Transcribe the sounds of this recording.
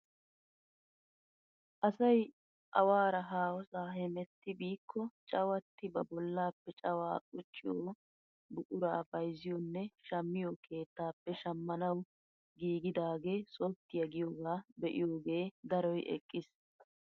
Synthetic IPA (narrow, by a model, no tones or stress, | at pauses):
ʔɐsɐj | ʔɐ̰waːɾɐɦaːwɔsaːɦɛmɛt̪ːɪbiːkʰːɔt͡ʃʼɐwɐt̪ːɪbɐbɔlːaːpːɛt͡ʃʼɐwa̰ːkʼʊt͡ʃʼːɪjoː | bʊʔʼʊɾaːbɐjzɪjɔnːɛʃɐmːɪjɔkʰe̞ːt̪ːaːpːɛʃɐmːɐnɐw | ɡiːɡɪd̪aːɡe̞ːso̞ːt̪ːɪjɐɡɪjoɡaːbɛʔɪjoːɡe̞ːd̪ɐɾɔjʔɛ̰kʼːɪs